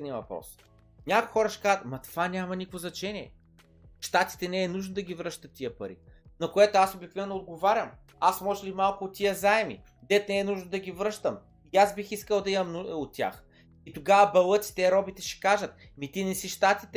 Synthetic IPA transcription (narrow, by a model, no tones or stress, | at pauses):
niəvɐpɾɔ̰s | nʲakʊjxɔɾəʃɛ̥kazət̪mɐt̪ovanʲamɐnikvoznɐt͡ʃɛnʲiɛ̰ | ʃt̪at̪i̥t̪ɛnɛːnuʒnod̪ɐɡʲivɾɤʃt̪ət̪ːiəpɐɾḭnɐkoɛt̪oasobikvɛvnood̪̚ɡovaɾʲəm | asmɔʒɛlimalˠkʊːt̪ːiəzaɛmḭ | d̪ɛt̪nɛːnuʒnod̪ɐɡʲivɾɤʃt̪əm | iazbixiskəlˠd̪ɐimɐmnuot̪ʲːja̰x | it̪oɡavɐbɐlˠɤt̪si̥t̪ɛɾɔbit̪ɛʃɛ̥kaʒət̪̚ | mit̪inɛsiʃt̪at̪it̪